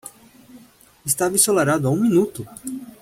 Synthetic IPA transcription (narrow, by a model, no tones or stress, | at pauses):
ɪst̪avisolaɾad̪ʊaũmĩnut̪ʊ